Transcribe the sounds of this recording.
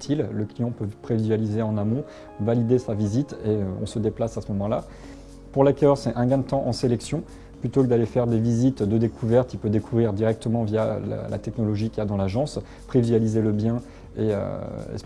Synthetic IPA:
t̪ʰilːəklijɑ̃pøpχevizɥalizeɑ̃namɔ̃ | valid̪esavizit̪eøɔ̰̃səd̪eplasasəmɔmɑ̃la | puʁlakʲœʁsɛɛ̃ɡɛ̃t̪ɑ̃ʔɑ̃selɛksjɔ̃ | plyt̪okəd̪alefɛʁd̪evizit̪d̪əd̪ekʰuvɛʁt̪ilpød̪ekʰuvʁiʁd̪iʁɛk̚t̪əmɑ̃vja̰l̰lʔa̰t̪ɛknɔlɔʒikʲiad̪ɑ̃laʒɑ̃s | pχevizɥalizeləbjɛ̃ | eø̰ḛs

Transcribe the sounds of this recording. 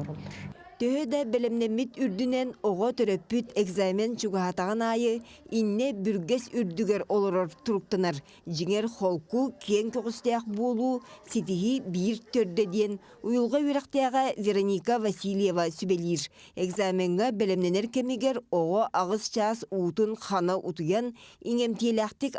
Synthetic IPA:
t̪øɦød̪ɑbelʲemnemit̪yɾd̪ynenoʁot̪øɾøpːyt̪eɡzamʲent͡ʃuɡaɦat̪ɑʁɑnɑːjɯinːebyɾɡesyɾd̪yɡeɾolˠoɾoɾt̪uɾuk̚t̪anaɾ | d͡ʒiŋeɾχolˠkukʰieŋkyqust̪ɑjɑq̚buːlˠuːsit̪iɦibiɾt̪øɾd̪ed̪ijen | ujulˠʁoβiɾɑqt̪ɑjɑʁɑvʲeɾonʲikavasʲilʲjevasybeliːɾ | eɡzamʲeŋɡabelemneneɾkemiɡeɾoʁoʔɑʁɯst͡ʃɑːsuːt̪unχʰɑnaʔut̪ujɑniŋe̞mt̪ilʲaqt̪ik

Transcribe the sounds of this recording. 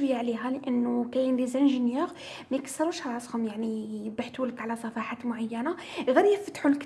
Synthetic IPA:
wjaʕliɦæləʔənːukæjənlizænʒənjiɾ | mæjkə̥sːəɾˤuʃhɾˤɑshʊmjaʕnibaħt̪wləkʕlæsˤɑfɑħat̪mʊʕajːænaɣæɾjæfət̪ħulk

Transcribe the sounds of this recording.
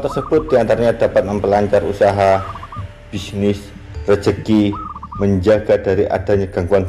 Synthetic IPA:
t̪ərsəb̥ʊt̪̚diant̪aɾaɲadapat̪̚məmpəlaɲt͡ʃarusaɦa | b̥isnɪs | rə̥d͡ʒəkiməɲd͡ʒaɡ̥adaɾiʔa̰d̥aɲaɡ̥aŋɡuan

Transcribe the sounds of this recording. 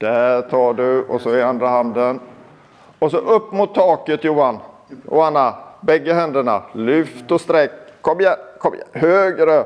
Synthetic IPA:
d̪̥ætʰɑːɖɵɔsɔɪand̪ɾahand̪ən | ɔsɔʔɵpːmʊt̪ʰːɑːkət̪juːan | jʊ̰ːhanːabɛɡːəɦɛnd̪əɳalʏft̪ɔst̪ɾɛkːkʰːɔmːjakʰɔmj̰høːɡɾə

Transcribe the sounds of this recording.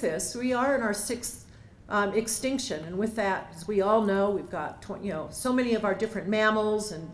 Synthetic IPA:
ðɪswiə˞ɨ̃ñaʊə˞sɪks | ɨkstɪ̃ŋkʃɨ̃nɨ̃nwɨðɨt̚ɨzwiɔlˠnoʊwivɡɑtʰjɨnoʊsoʊmɛniʌvaʊə˞dɪfɹɨ̃nmæ̃ml̩ˠzɨ̃n

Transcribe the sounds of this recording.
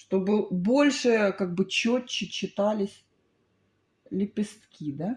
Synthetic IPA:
ʂt̪o̞bɨbo̞lʲʂɨkaɡ̚bɨt͡ɕːot͡ɕːɪt͡ɕːɪt̪alʲɪsʲ | lʲɪpʲɪst̪kʲid̪a

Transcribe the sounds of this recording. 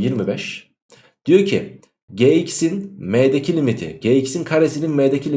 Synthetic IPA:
jiɾmibɛʃ | d̪̥ijo̞ɾcʰi | ɟeːicsinmeɛjd̪ecʰilʲimit̪ʰḭɟeːicsinkʰaɾesininmejd̪ecʰilʲi

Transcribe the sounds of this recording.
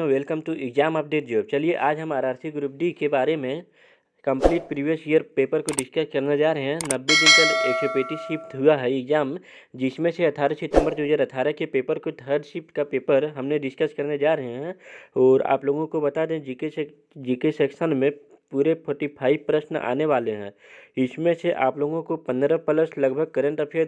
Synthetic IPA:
ʋelkəmʈ̪uʔɪkzaːmaːp̚d̪eːkʰd͡ʒoːt͡ʃɐlieʔaːd͡ʒɦɐmaːɾaːɾsikɡɾup̚d̪ikebaːɾemẽ | kɐ̃mpliːʈpɾiːʋijəsijəɾpeːpəɾkoɖɪskəskɐɾned͡ʒaːɾɐɦɛ̃nɐbːed̪ɪ̃npəlet͡ʃopeːʈiʃɪpt̪ɦʊaɦɛɪkzaːm | d͡ʒɪsmẽseɐt̪ʰaːɾəsɪt̪ə̃mbəɾt̪ed͡ʒəɾɐt̪ʰaːɾəkepeːpəɾkod̪ʱəɖʃɪpʈkapeːpəɾɦɐmneɖɪskəskɐɾned͡ʒaːɾɐɦeɦɛ̃ɔːɾa̰ːploːɡõkobɐt̪ad̪ẽd͡ʒike | d͡ʒikesɛːksənmẽ | puːɾepʰɔːʈipʰaːɪbpːɾəʃna̰ːneʋaːleɦɛ̰̃ːɪsmẽseʔa̰ːploːɡõkopɐ̃nd̪ɾəpələslɐɡbʱəɡ̚kəɾə̃ɳʈ̪apʰɪɾ

